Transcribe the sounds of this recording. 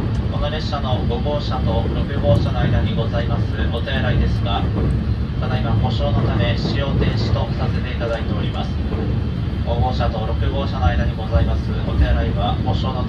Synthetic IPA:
ko̞noɾe̞ɕano̞ɡo̞ɡo̞ːɕat̪o̞ɾo̞kɯ̟ɡo̞ːɕano̞aid̪aɲ̟iɡo̞zaimasɨo̞t̪eɾaid̪e̞sɨɡa | k̪anaiβamo̞ɕo̞ːno̞t̪ame̞ɕijo̞ːt̪ẽ̞ɰ̃ɕi̥t̪o̞sase̞t̪e̞it̪ad̪ait̪e̞o̞ɾʲimasɨ̥ | ɡo̞ɡo̞ːɕat̪o̞ɾo̞kɯ̟ɡo̞ːɕano̞aijd̪aɲ̟iɡo̞zaimasɨo̞t̪eɾaiβaho̞ɕo̞ːno

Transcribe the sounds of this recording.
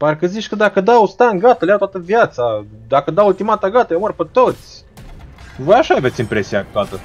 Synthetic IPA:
parkəzit͡ʃʲkəd̪akəd̪awst̪aŋɡat̪əljawt̪wat̪əvjat̪sa | d̪akəd̪awult̪imat̪aɡat̪əjemərʲpet̪ot̪sʲ | vojaʃaave̞t̪sʲimpɾe̞sijakt̪oat̪ə

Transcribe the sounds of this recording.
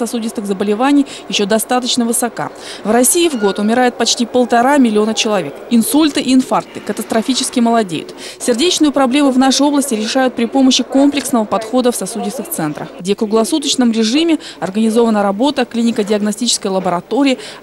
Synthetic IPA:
sɐsudʲɪst̪ɨxzəbəlʲɪvanʲɪj | jɪɕːod̪ɐst̪at̪ət͡ɕnəvɨsɐka̰ | vrɐsʲiɪvɡo̞t̪ʊmʲɪɾajʊt̪̚pɐt͡ɕtʲipəlˠt̪ɐɾamʲɪlʲɪo̞nət͡ɕɪlˠɐvʲe̞kɪnsulʲt̪ɨʔɪːnfart̪ɨ̥kət̪əst̪ɾɐfʲit͡ɕɪ̥skʲɪməlˠɐdʲḛjʊ̰t̪ | sʲɪrdʲet͡ɕnɨjʊpɾɐblʲe̞mʊvn̪aʂɨo̞blˠəsʲtʲɪɾʲɪʂajʊt̪̚pɾʲɪpo̞məɕːɪko̞mplʲɪksnəvəpɐt̪xo̞d̪əfsɐsudʲɪst̪ɨft̪sɛnt̪ɾə̰xɡdʲefkɾʊɡlˠɐsut̪ət͡ɕnəmɾʲɪʐɨmʲɪ | ɐrɡənʲɪzo̞vənəɾɐbo̞t̪əklʲinʲɪkədʲɪɐɡnɐsʲtʲit͡ɕɪ̥skəjlˠəbəɾɐt̪o̞ɾʲɪː

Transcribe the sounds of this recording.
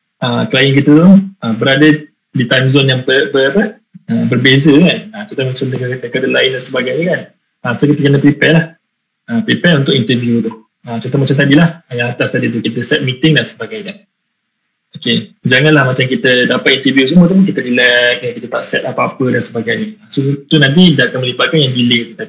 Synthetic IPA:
ʔəklajɛnk̬it̪ət̪ʊʔəbəɾadə | dit̪anzɔnjaŋpəbəapə | əbərbezəkanət͡ʃɔnt̪omat͡ʃamdəkakənəkadalaɪndansəbaɡajɲəkan | ʔəsakit̪əkənəpɾipɛlah | əpɾipɛunt̪ʊkʔint̪əvjut̪ʊh | ət͡ʃɔnt̪omat͡ʃamt̪adilahjaŋat̪ast̪adit̪̬ukit̪əsɛt̪̚mit̪ɪŋdansəbaɡajkan | oked͡ʒaŋãnlahmat͡ʃamkit̪ədapat̪̚int̪əvjus̬umət̪umʊnkit̪əɾilakəkit̪ət̪a̰ʔsɛt̪̚apaapədansəbaɡajɲəəsot̪unãnt̪̬idakanməlibaɡanjaŋdilɪit̪ut̪adi

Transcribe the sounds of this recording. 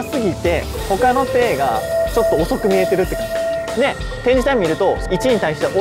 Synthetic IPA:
sɨɡʲit̪e̞ | ho̞kano̞t̪e̞ːɡa̰t͡ɕo̞t̪ːo̞ːso̞kɯ̟mʲie̞t̪e̞ɾɯ̟t̪ːe̥kãne̞ | t̪ẽ̞ɲ̟d͡ʑit̪ãmɲʲiɾɯ̟t̪o̞it͡ɕiɲ̟it̪aiɕt̪eʔo

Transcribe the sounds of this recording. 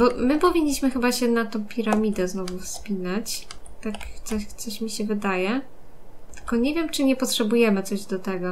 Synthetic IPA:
bɔmɘpɔvʲiɲːiɕmɘxɘbaɕɛnat̪ɔ̃w̃pʲiɾamʲid̪ɛznɔvufspʲinat͡ɕt̪akt̪sɔɕt̪sɔɕmʲiɕɛvɘd̪ajɛ | t̪ɘ̥lkɔɲɛvʲjɛmt͡ʂɘɲɛpɔt̪ʂɛbujɛmɘt̪sɔʑd̪ɔt̪ɛɡɔ

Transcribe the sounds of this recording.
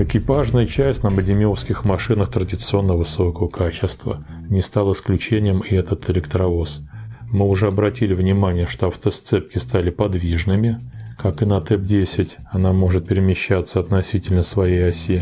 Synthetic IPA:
ɪkʲɪpaʐnəjət͡ɕæsʲtʲnəmədʲɪmʲɪofskʲɪxmɐʂɨnəxt̪ɾədʲɪt̪sɨo̞nːəvɨso̞kəvəkʰat͡ɕɪst̪və̰ | nʲɪst̪alˠɪsklʲʉt͡ɕenʲɪjəmɪɛt̪ət̪ɪlʲɪkt̪ɾɐvosmɨʊʐɛɐbɾɐtʲilʲɪvnʲɪmanʲɪjəʂt̪o̞ɐft̪əst̪sɛp̚kʲɪst̪alʲɪpɐd̪vʲiʐnɨmʲɪkakɨnɐt̪ɛp̚dʲesʲɪtʲ | ɐnamo̞ʐɨt̪̚pʲɪɾʲɪmʲɪɕːat̪səɐt̪nɐsʲitʲɪlʲnəsvɐjejɐsʲe

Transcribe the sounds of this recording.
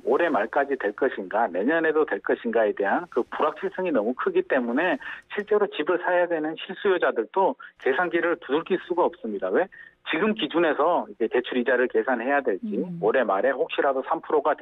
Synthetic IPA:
oɾe̞maɭk͈ad͡ʑitwe̞ɭk͈ʌɕʰinɡane̞ɲʌne̞dotwe̞ɭk͈ʌɕʰinɡae̞de̞ɦankɯpuɾak̚t͡ɕʰiɭs͈ʰɯŋinʌmukʰɯɡit͈e̞mune̞ɕʰiɭt͡ɕ͈e̞ɾot͡ɕibɯɭsʰajadwe̞nɯnɕʰiɭs͈ujod͡ʑadɯɭdoke̞sʰanɡiɾɯɭtuduɭk͈iɭs͈uɡaʌp̚s͈ɯmɲidawe̞t͡ɕiɡɯmkid͡ʑune̞sʰʌiɡe̞te̞t͡ɕʰuɾid͡ʑaɾɯɭke̞sʰanhe̞jadwe̞ɭt͡ɕ͈ioɾe̞maɾe̞ɸok̚ɕ͈iɾadosʰampʰɯɾoɡat

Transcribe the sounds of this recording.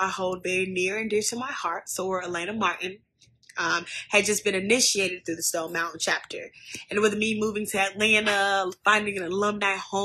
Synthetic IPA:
aɪhoʊlˠd̚vɛɹinɪɹɨ̃nːɪɹɾɨmaɪhɑɹtsoʊwə˞əlæ̃ñəmɑɹʔn̩ | ʌ̃mɨd̚d͡ʒʌsb̥ɨ̃nɨnɪʃieɪɾɨd̪̚θɹʉðɨstõʊ̃nmãʊ̃ʔn̩t͡ʃʰæp̚tʰə˞ɨ̃nwɨðmimuvɪ̃ŋtʰɨɨlænəfãɪ̃ndɪ̃ŋɨɾɨlʌ̃mdaɪhõ

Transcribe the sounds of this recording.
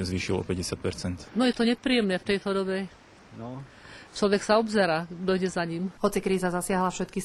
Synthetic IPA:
zʋiːʃḭlɔ̰pɛɟɛsɪat̪̚pɛɾt͡sɛnt̪nɔjɛt̪ɔɲɛpɾijɛmnɛft̪ɛjt̪ɔd̪ɔbɛ | t͡ʃlɔʋɛksaɔbzɛɾaːd̪ɔjɟɛzaɲimhɔt͡sikɾiːzazasɪaɦlafʃɛt̪kis

